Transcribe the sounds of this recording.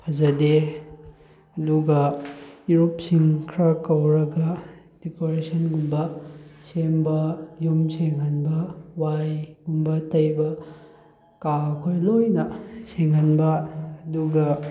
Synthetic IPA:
pʰɐzɐde | ɐduɡɐjuɾop̚siŋkʰɾɐkɐwɾɐɡɐ | dikoɾesʰɐnɡumbɐsembɐjumseŋɦɐnbɐwajɡumbɐtɐjbɐ | kakʰojlojnɐseŋɦɐnbɐːduɡɐ

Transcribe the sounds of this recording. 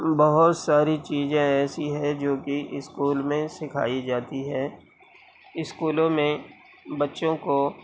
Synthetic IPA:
bɐɦʊt̪saːɾit͡ʃiːzẽɛːsiɦɛ̃d͡ʒoːkiʔɪskuːlmẽsɪkʰa̰ːid͡ʒaːt̪iɦɛː | ɪskuːlõmẽ | bɐtːʃõko

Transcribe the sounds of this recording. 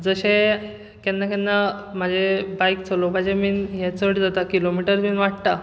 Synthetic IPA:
d͡zəɕe | kɛnːak̬ɛnːamad͡ʑʱebajk̚t͡sʰəlobad͡ʑeminɦet͡səɽd͡zat̪akilomiʈəɾminʋaʈ̚t̪a

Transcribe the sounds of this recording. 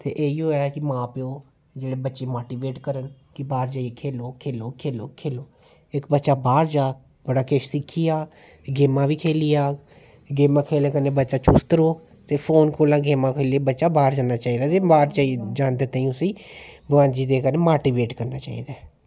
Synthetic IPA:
t̪ḛːʔeːiːɦoːjaːkɪmãːpeõː | d͡ʒeːɽeːbətːʃeːmaːʈiːʋeːʈkəɾən | kɪbaːɾd͡ʒaːiekʰeːloːkʰeːloːkʰeːloːkʰeːloː | ɪkbətːʃaːbaːɾd͡ʒaː | bəɽaːkeʃsɪkʰːiːaː | ɡeːmãːʋiːkʰeːliːaː | ɡeːmãːkʰeːlẽːkəneːbətːʃaːt͡ʃust̪əɾoː | t̪eːpʰoːnkoːlãːɡeːmãːkʰeːliebətːʃaːbaːɾd͡ʒaːnaːt͡ʃaːiːd̪aːt̪eːbaːɾd͡ʒaːid͡ʒaːnd̪eːt̪aːĩʊsĩːbəʋãːd͡ʒiːd̪eːkəneːmaːʈiːʋeːʈkəɾnaːt͡ʃaːḭːd̪aː

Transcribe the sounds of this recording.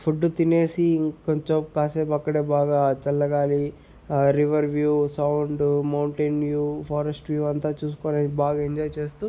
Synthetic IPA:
pʰuɖːut̪ine̞ːsikoɲt͡ʃomkaːseːpɐkːɐɽeːbaːɡaːt͡ʃɐlːɐɡaːli | ɾiʋɐɾʋjuːsɐwɳɖmɐwɳʈeːnʋjuːpʰaːɾesʈʋjuːɐnt̪aːt͡ʃuːs̬u̥koːnibaːɡaːiɲd͡ʒɔːjt͡ʃe̞ːst̪u

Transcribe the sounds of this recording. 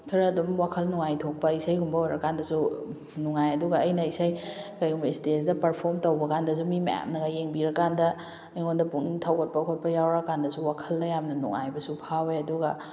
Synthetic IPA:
tʰɐɾɐɐdumwakʰɐlnuŋajtʰok̚pɐisajɡumbɐojɾɐkːandɐsu | nuŋajɐduɡɐːjnɐisajkɐjɡumbɐistesdɐpɐɾpʰoɾmtowbɐkandɐs̬umimɐ̰ja̰mnɐɡajeŋbiɾɐkːandɐ | jŋondɐpuŋtʰawɡɐt̚pɐkʰot̚pɐjawɾɐkandɐsuwakʰɐlːɐjamnɐnṵŋa̰jbɐsupʰaweɐduɡɐ

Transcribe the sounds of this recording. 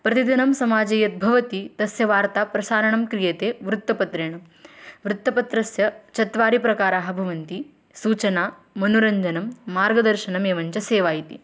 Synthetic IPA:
pɾɐt̪id̪inɐmsɐmaːd͡ʒɐjɐt̪̚bʱɐʋɐt̪it̪ɐsjɐʋaːɾt̪aːpɾɐsaːɾɐɳɐmkɾijeːt̪eːʋɾut̪ːɐpɐt̪ɾeːɳɐm | ʋɾut̪ːɐpɐt̪ɾɐsjɐt͡ʃɐt̪ʋaːɾipɾɐkaːɾaːɦɐbʱɐʋɐnt̪i | suːt͡ʃɐnaː | mɐnuɾɐɲd͡ʒɐnɐmːaːɾɡɐd̪ɐɾʃɐɳɐmeːʋɐɲt͡ʃɐseːʋaːjit̪ḭ

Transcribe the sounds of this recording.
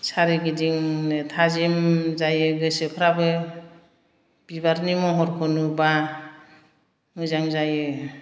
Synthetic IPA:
saɾiɡidiŋnɯtʰazimzajɯɡɯsɯpʰɾabɯ | b̥ibaɾnimɔɦɔɾkʰɔnuba | mɯzaŋzajɯ

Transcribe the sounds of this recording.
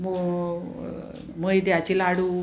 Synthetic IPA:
m | məjd̪jat͡ɕilaɽuː

